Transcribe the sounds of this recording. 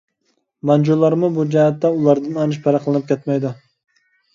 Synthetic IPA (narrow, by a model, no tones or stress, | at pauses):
mɑnd͡ʒulˠːɑɾmubud͡ʒɛɦɛt̪ːɛulˠɑɾd̪ɨnɑnʃpʰɑɾɑqlˠɨnɨp̚kʲʰɛt̪mɛjd̪ʊ